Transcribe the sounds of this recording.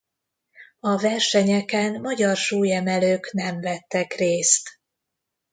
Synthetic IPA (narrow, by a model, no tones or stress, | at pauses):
ɒvɛrʃɛɲɛkɛnmɒɟɒrʃuːjɛmɛløːknɛmvɛt̪ːɛkreːst̪